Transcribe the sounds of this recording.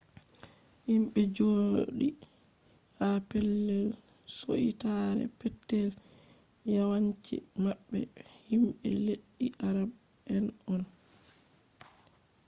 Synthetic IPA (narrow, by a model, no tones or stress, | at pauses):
himɓɛd͡ʒo̰ːɗi | hapɛlːɛlso̰ʔḭtaɾɛ̰pɛtːɛl | jawaɲt͡ʃḭmaɓːɛ̰ | himɓɛ̰leɗːiʔaɾab | ɛnɔn